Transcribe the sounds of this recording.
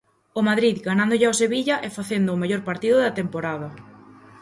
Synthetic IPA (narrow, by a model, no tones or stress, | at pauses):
omaðɾiðɡanãnd̪oʎɪaoseβiʎɐʔɛfaθend̪ʊːmeʎoɾpaɾt̪iðʊðɐt̪empoɾaðɐ